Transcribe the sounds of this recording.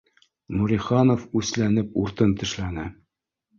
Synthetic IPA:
nuɾʲiχɑnofʉslænɘpuɾt̪ɤnt̪ɘ̆ʃlænɘ

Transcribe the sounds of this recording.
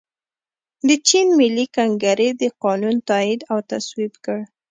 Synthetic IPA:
d̪ət͡ʃinmɪlːikaŋɡaɾed̪əqɑnunt̪ɑɪd̪awt̪aswibkəɽ

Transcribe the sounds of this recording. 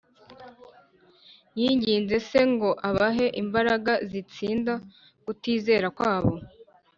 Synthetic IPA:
jiːɲɟiːnze̞se̞ŋɡo̞ʔaβaɦe̞ʔimbaɾaɡazit͡siːnda | kutiːze̞ːɾakwaːβo̞

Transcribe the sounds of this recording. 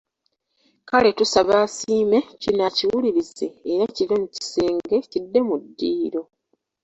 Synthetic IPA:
kale̞tusaβaːsiːme̞cinaciwuliɾize̞ːɾaciɾomuci̥seːŋɡe̞cidːe̞mudːiːɾo̞

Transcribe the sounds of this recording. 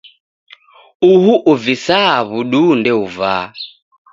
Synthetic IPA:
uhuʔuvisaβuɗundɛuvaː

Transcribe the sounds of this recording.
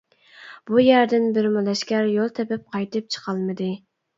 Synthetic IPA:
b̥ujæɾd̪ɪnbɪɾmɑlˠɛʃkʲæɾjolˠt̪ʰɛpɪp̚qʰɑjt̪ɨp̚t͡ʃʰə̥qʰɑlˠmɨd̪ɨ

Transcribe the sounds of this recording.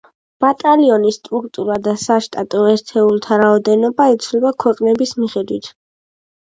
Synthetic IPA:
b̥at̪ʼaliɔnist̪ʼɾuk̚ʰt̪ʼuɾad̪asaʃt̪ʼat̪ʼɔɛɾt̪ʰɛulˠt̪ʰaɾaɔd̪ɛnɔbaɛt̪sʰlɛbakʰwɛqʼnɛbismiχɛd̪wit̪ʰ

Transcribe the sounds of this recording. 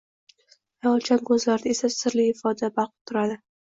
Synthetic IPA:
alˠt͡ʃʰankʰɵzlaɾɪd̪ae̞sasɪɾlɪɪfɒd̪abaqt̪ʰʊɾad̪ɪ

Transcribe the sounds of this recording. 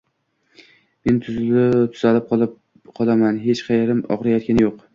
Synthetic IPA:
me̞nt̪ʰʊzɪlɪt̪ʰʊz̥alɪp̚q | qʰɒlˠamanɦe̞t͡ʃqʰɑjeɾɪmɒ̰ʁɾajɒt̪̚kʲanɪjoq

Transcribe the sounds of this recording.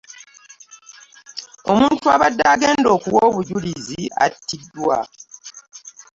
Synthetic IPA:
o̞muːntuaβadːaːɡeːndo̞ːkuwo̞ːβuɟulizia̰tːidːwa

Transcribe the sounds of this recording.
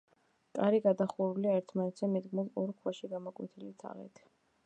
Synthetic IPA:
k̪ʼaɾiɡad̪aχuɾuliaɛɾt̪ʰmanɛt̪ʰzɛmɛd̪ɡmulɔɾkʰwaʃiɡamɔkʼwḭt̪ʰilit̪ʰa̰ʁɛ̰t̪ʰ

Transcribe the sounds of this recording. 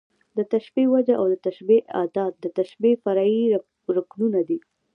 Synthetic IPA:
d̪ət̪aʃbiwad͡ʒaʔawd̪ət̪aʃbiʔɑ̰d̪ɑt̪̚d̪ət̪aʃbefaɾɑi | ɾʊknunad̪i

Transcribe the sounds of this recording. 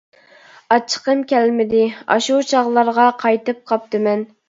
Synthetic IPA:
ɑt͡ʃʰə̥qəmkʲɛlmɪd̪ɪɑ̰ʃut͡ʃʰɑʁlˠɑɾʁɑqʰɑjt̪ɨp̚qʰɑp̚t̪ɨmɛn

